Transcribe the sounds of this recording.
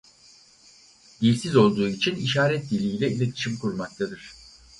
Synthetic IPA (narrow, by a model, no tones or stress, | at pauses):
d̪ilʲsizo̞lˠd̪uːit͡ʃʰiniʃaːɾɛt̪̚d̪ilʲiːlʲɛilʲet̪ʰi̥ʃimkuɾmak̚t̪ʰad̪ɯɾ̥